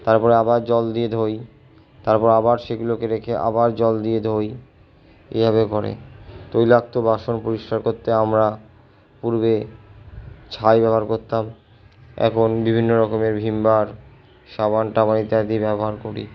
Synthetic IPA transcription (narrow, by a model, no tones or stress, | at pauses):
t̪aɾpɔɾeabaɾd͡ʑɔld̪ied̪ʱoj | t̪aɾpɔɾabaɾʃeɡulokeɾekʰeʔa̰baɾd͡ʑɔld̪ied̪ʱoj | ḛbʱabekɔɾḛt̪ojlak̚t̪obaʃonpoɾiʃkaɾkoɾt̪eamɾa | puɾbe | t͡ɕʰajbɛboɦaɾkoɾt̪am | ɛ̰kʰonbibʱinːoɾɔkomeɾbʱimbaɾ | ʃaβanʈabanit̪ead̪ibɛboɦaɾkoɾḭ